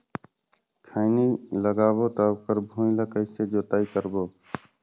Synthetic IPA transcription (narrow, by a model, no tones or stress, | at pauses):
kʰaɪniːləɡaːboːt̪aːbkəɾbʱũːlaːkəɪseːd͡ʒoːt̪aːiːkəɾboː